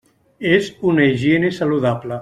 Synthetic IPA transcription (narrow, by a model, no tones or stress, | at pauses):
ezunaiʒenesaluðapla